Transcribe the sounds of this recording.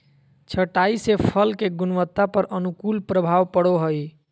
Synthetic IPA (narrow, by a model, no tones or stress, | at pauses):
t͡ʃʰəʈaisepʰəlkeɡunwət̪ːapəɾʔənukulpɾəbʱaʋpəɽoɦəj